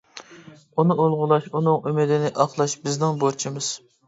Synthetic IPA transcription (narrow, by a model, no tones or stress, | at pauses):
unɨolˠʁʊlˠɑʃunɨŋymɪd̪ɪnɪʔɑχlˠɑʃbɪznɪŋboɾt͡ʃʰimɨz̥